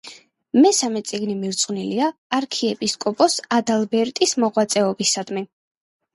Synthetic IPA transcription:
mɛsamɛt̪sʼiɡnimiɾt̪sʼqʼniliaːɾkʰiɛpʼiskʼɔpʼɔsad̪alˠbɛɾt̪ʼismɔʁwat̪sʼɛɔbisad̪mɛ

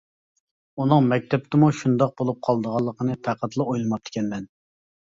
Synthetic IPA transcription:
unɨŋmɛk̚ʲt̪ʰɛp̚t̪ʰɪmuʃund̪ɑq̚bolˠup̚qʰɑlˠd̪əʁɑlˠːəqʰənɨt̪ʰæqæt̪lˠɨojlˠɨmɑp̚t̪ʰɪ̥kʲʰɛnmɛn

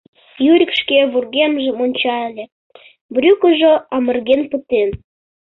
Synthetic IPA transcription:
jyɾʲəkʃkeβurɣemʒĕmonʲt͡ɕɑelʲe | bɾʲykəʒoɑmə̆rɣenpət̪en

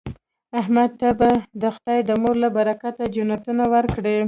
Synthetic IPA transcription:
aɦmad̪̚t̪abad̪əxt̪ɑjd̪əmoɾlabaɾakat̪ad͡ʒʊnat̪unawəɾkɽe

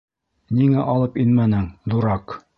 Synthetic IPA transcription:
niŋæʔɒlˠɤpinmænɘŋðuɾɑq

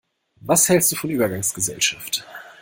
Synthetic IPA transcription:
vashɛlst̚d̥uːfɔnʔyːbɐɡaŋsɡ̥əzɛ̰lʃaft

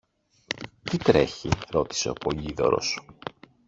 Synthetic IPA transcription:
t̪it̪ɾe̞̰çiɾo̞t̪i̥se̞opoʎiðo̞̰ɾo̞̰s

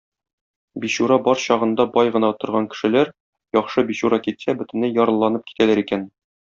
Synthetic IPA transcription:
biɕuɾɑbɒɾɕɒʁɤ̆nd̪ɑbɒjʁɤ̆nɑt̪ŏɾʁɑŋkɘ̥̆ʃɘ̆læɾ | jɒχʃɤbiɕuɾɑkit̪sæbɵ̆t̪ɘ̆nɘjɒɾɤ̆lˠːɑnɤp̚ki̥t̪ælæɾikæn

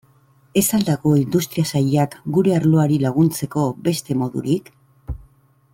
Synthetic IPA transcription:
e̞sald̪ako̞ind̪ust̪ɾiasaʎeakɡuɾe̞aɾlo̞aɾilaɣ̞unt͡se̞ko̞be̞st̪e̞mo̞ðṵɾik

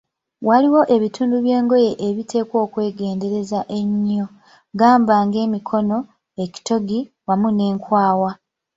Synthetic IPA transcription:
waliwo̞ʔe̞βituːnduβje̞ːŋɡo̞je̞ʔeβitʰe̞ːkwo̞ːkwe̞ːɡe̞ːnde̞ɾe̞zaʔe̞ɲːo̞ | ɡaːmbaːŋɡe̞ːmikʰo̞no̞ | e̞ci̥to̞ɡi | wamune̞ːŋkwaːwa

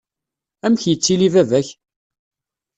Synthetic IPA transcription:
æmçjət͡sːilivævæç

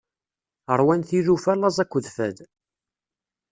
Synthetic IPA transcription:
əɾˤwænθiðufælːɑzˤækʷːəðfæd̪

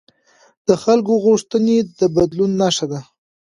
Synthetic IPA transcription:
d̪̥əxalkoɣuʂt̪əned̪əbad̪lunːaʂad̪a

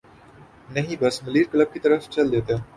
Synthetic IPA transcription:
nɐɦĩbɐsmɐliːɾkləb̚kit̪ɐɾəft͡ʃɐld̪eːt̪eẽ

